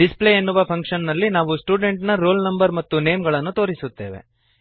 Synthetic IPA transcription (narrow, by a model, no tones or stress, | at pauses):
ɖispleenːuʋɐpʰɐŋkʂɐnnɐlːinaːʋusʈuːɖe̞ɳʈnɐɾoːlnɐmbɐɾmɐt̪ːune̞ːmɡɐɭɐnːut̪o̞ːɾisut̪ːe̞ːʋḛ